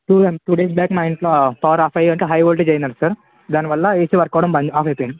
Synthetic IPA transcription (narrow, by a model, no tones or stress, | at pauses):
ʈuːʈuːɖeːs̬baːkmaːjiɳʈlpaːɐɾaːfɐjɐɳʈeɦɐjolʈit͡ʃejɐnːɐːɽsɐɾ | d̪aːniʋɐlːɐeːsiʋɐɾkoːʋɽɐmbɐnaːfɐjpeɳ